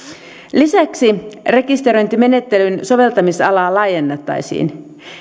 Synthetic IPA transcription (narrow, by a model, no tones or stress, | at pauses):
lisæksire̞kist̪eɾo̞jnt̪ime̞ne̞t̪ːe̞lynso̞ʋe̞lt̪ɑmisɑlɑːlɑjenːet̪ːɑ̰jsḭːn